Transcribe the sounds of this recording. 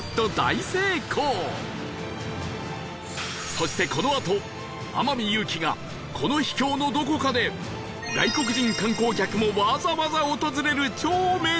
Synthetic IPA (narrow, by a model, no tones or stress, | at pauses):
t̪ːo̞d̪a̰ise̞ːkʰoː | so̞ɕi̥t̪e̞ko̞no̞at̪o̞ | a̰mamʲijɯ̟ːkʲiɡa̰ | kʰo̞no̞çi̥kʲo̞ːno̞d̪o̞ko̞kad̪e̞ | ɡa̰iko̞kɯ̟ʑĩŋkãŋko̞ːkʲakɯ̟mo̞mazaβazaot̪o̞zɨɾe̞ɾɯ̟t͡ɕoːme̞